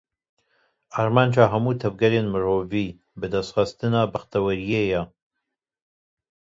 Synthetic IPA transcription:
ɑːɾmɑːnd͡ʒɑːɦɐmuːt̪ʰɐvɡɐɾenmɨɾoːviː | bɨd̪ɐst̪xɑst̪ɨnɑːbɐxt̪ɐwɐɾijejɛ

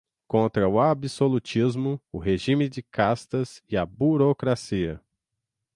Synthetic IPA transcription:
kõnt̪ɾɐʊabisolut͡ʃizmʊʊɦeʒĩmɪd͡ʒɪkast̪ɐzɪɐbuɾokɾasiɐ̰

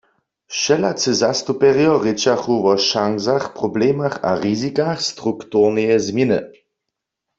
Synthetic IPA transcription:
ʃɛlat͡sɨzast̪upɛʁjɔʁɪt͡ʃaxuʋɔʃaŋzaxpʁoblɛːmaxa̰ʁizikaxst̪ʁukt̪uʁnɛjɛzmjinɨ̰

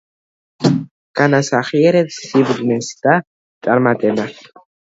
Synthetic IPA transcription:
ɡ̥anasaχiɛɾɛpsːibd̪nɛsd̪̥a | t̪sʼaɾmat̪ʼɛba

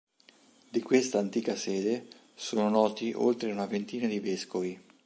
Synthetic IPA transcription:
d̪ikwest̪aːnt̪iːkasɛːd̪e | soːnonɔːt̪iʔo̰lt̪ɾeunavent̪iːnad̪iveskovi

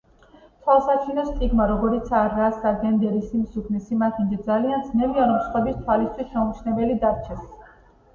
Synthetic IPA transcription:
t̪ʰwalˠsat͡ʃʰinɔst̪ʼiɡmaɾɔɡɔɾit̪sʰaɾasaɡɛnd̪ɛɾisimsukʰnisimat̪ʰind͡ʒizaliand̪znɛviaɾɔmsχwɛbist̪ʰwalist̪ʰwismɛumt͡ʃʰnɛbɛlid̪aɾt͡ʃʰɛs

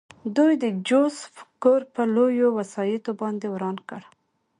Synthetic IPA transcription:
d̪ujd̪əd͡ʒosfkoɾpəlojowasɑjit̪obɑnd̪ewɾɑnkəɽ

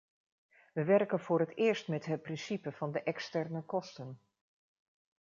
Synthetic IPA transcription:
ʋəʋɛrkənvʊːɾətɪːɹstmɛtɦət̚prɪnsipəv̥ɑndəʔɛkstɛrnəkɔstən

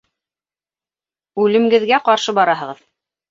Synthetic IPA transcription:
ʉlɘ̆mɡɘ̆ðɡæqɑɾʃɤbɑɾɑɦɤ̆ʁɤð

